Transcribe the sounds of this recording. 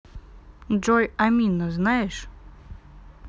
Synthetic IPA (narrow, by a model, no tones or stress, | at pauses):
ʐojɐmʲinəznajɪʂ